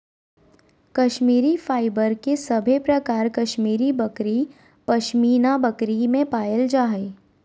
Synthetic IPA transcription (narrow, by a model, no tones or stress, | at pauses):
kɐʃmiːɾifaːɪbəɾkesɐbʱepɾɐkaːɾkɐʃmiːɾibɐkɾi | pɐʃmiːnabɐkɾimẽpaːjəld͡ʒaːe